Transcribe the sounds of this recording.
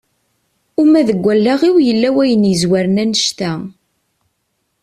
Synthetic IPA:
umæðəɡʷːælːaʁiwjəlːæwæjənjəzwæɾənænəʃt̪æ

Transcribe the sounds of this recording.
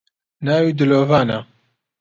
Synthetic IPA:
naːwiːd̪ɨloːvaːna

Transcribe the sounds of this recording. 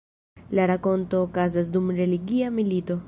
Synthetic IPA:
laɾako̞nto̞ːkazas̬dumɾe̞liɡiamilito̞

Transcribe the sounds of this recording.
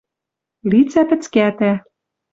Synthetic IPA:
lit͡sæpɘ̆t͡skæt̪æ

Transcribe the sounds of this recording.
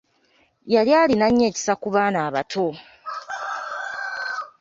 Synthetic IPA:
jaljaːlinaɲːe̞ːci̥sakuβaːnaːβatʰo̞

